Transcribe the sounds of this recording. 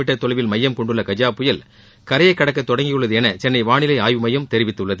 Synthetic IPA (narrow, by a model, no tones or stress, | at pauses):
ɪʈːɐt̪ːɔɭɐʋɪlmɐjːɐmkɔɳɖɯɭːɐkɐd͡ʒaːpːʊjɐl | kɐɾɐjɐɪkːɐɽɐkːɐt̪ːɔɽɐŋɡɪjɯɭːɐðɯɛnɐt͡ʃɛnːɐɪʋaːɳɪlɐɪaːjʋɯmɐjːɐmt̪ɛɾɪʋɪt̪ːɯɭːɐðɯ